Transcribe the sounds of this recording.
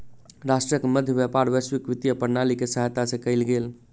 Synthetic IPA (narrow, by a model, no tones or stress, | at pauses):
ɾasʈɾəkeməd̪ʱjəbjəpaɾʋəswikʋit̪ijəpəɾnalikesəɦjt̪asẽkəɪlɡel